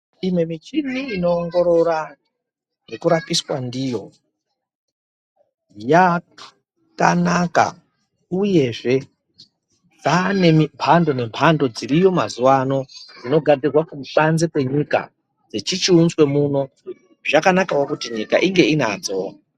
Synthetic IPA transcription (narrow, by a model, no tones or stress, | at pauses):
imwe̞mit͡ʃiniːno̞ːŋɡo̞ɾo̞ɾa | nekuɾapiswandijo̞ | ja | kanaka̰ | uje̞ʐe̞ | d͡zane̞mimpʰando̞ne̞mpʰando̞d͡zirijo̞mazuwano̞d͡zino̞ɡʱad͡zirwakumuɓanzepwe̞ɲika̰ | d͡zet͡ʃit͡ʃiunzwe̞muːno̞ | ʐakanakawokutiɲika̰ʔiŋɡe̞ina̰d͡zoa